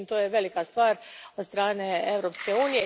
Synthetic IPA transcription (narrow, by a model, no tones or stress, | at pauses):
mt̪oːjeʋe̞likast̪ʋaːɾod̪st̪ɾaːneeʋɾopskeuːnije